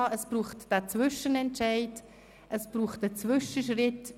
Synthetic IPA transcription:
əsb̥ruːχtd̥ɛːt͡svʏʃənɛntt͡ʃaɪt | ʔəsb̥ruːχtət͡svʏʃəʃrɪt

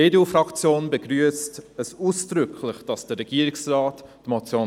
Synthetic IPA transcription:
eːdufɾɑkt͡sjoːnbəɡɾyəstəsuːsd̥ɾʏkʰləχd̥ɑsd̥əɾɛɡ̥iːəɾɪksrɑːtːmot͡sjo

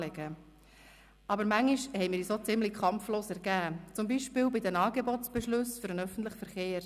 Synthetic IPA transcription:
lɛɡə | ʔɑbəɾmæŋːiʃhɛɪmɪːɾisoːt͡sɪmlikʰχɑmfloːsæɾɡæːt͡sʊmbiʃpɪːwbid̪ɛmɑːɡebɔtsb̥ɛʃlɵsfʏɾənœfən̩t̪ləχfəɾχeːɾ

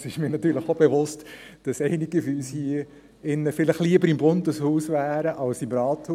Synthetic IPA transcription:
sɪʃmiːənɑt̪yːɾləχob̥evʊst | d̥ɑsɛɪniɡəfyːlshiə | ɪnːəfɪləχliəbəɾɪmbʊndəshuːsvæːɾəʔɑlsimɾɑːthuː

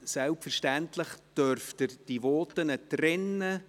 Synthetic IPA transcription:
sɛlpfəɾʃtæntləχd̥œɾftəd̥ivɔːt̪ənətrɪnːə

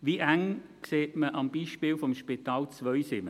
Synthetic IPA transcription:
ʋiʔæŋkseːtməʔɑmb̥iːʃpiːlfomʃpit̪ɑːlt͡sʋœjsɪmə

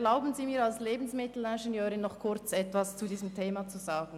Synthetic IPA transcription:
ɛlaʊbən̩ziːmiːɐalsleːbn̩smɪtl̩ɛnʒenjøːɾɪnːɔχkʰʊɾt͡sɛtvast͡sudiːzəmtʰeːmat͡suzaːɡn̩

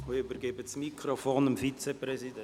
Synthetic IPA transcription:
ʋiːybəɾɡebəsmikʰɾofoːnəmfit͡sɛpɾɛsidɛ

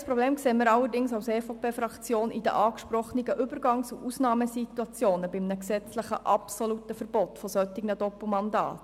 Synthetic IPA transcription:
spɾɔbleːmkseːməɾɑlːəɾdɪŋsaʊsɛːfopʰeːfɾɑkt͡sjoːnid̥̪ə̰ʔɑːkʃpɾɔχniɡəʔʏbəɾɡɑŋsuʔusnɑːməsit̪uɑt͡sjoːnəbɪmnəksɛt͡sləχə̰ʔɑpsɔlut̪əfəɾb̥ɔt̪fɔsœtɪɡnədɔpl̩mɑndɑ̰ːt

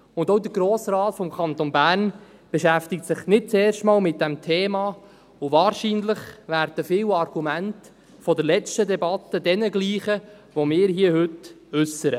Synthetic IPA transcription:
ʊndoʊd̪əɡɾoːsrɑːtfɔmkʰɑnt̪onbæːrn | b̥eʃæft̪ɪk̚tsɪχnɪt̚t͡sɛːrʃtmɑːlmɪt̚d̥æmtʰeːmɑː | ʊvɑːɾʃiːnləχvæɾd̥əfɪːwɑrɡ̥umænt | fɔdəlɛt͡ʃtədɛbɑt̪ːədɛnəɡliːχə | ʋomɪːɾɦiːəhʏt | ʉsəɾə

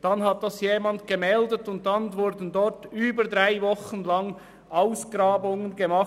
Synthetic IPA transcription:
d̥ɑnhɑt̚d̥ɑsjeːmɑntɡ̥əmɛldətʊnt̚dɑnvʊɾdən̩dɔɾtyːbədɾaɪvɔχənlɑŋ | ʔaʊsɡ̥ɾɑːbʊŋənɡəmɑχ

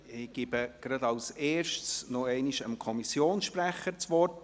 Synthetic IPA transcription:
ɪɡ̥ɪbəɡ̥ɾɑd̪ɑlseːɾʃtsnɔɛɪniʃəmkʰɔmisjoːnsʃpɾæχːəɾt͡sʋɔrt

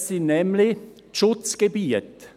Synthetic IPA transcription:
sɪnnɛmlɪ | ʃʊt͡sɡ̥ebiːət

